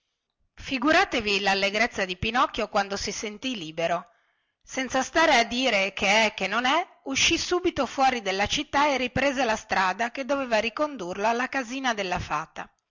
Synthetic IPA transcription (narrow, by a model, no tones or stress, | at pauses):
fiɡuɾaːt̪evilalːeɡɾet̪sːad̪ipinɔkːjokwand̪osisent̪iliːbeɾo | sɛnt̪sast̪aːɾead̪ːiːɾekʰeɛkːenːonɛ | uʃːisuːbit̪ofwɔːɾid̪elːat͡ʃit̪ːaeripɾeːzelast̪ɾaːd̪aked̪ːoveːvaɾikond̪urloalːakaziːnad̪elːafa̰ːt̪a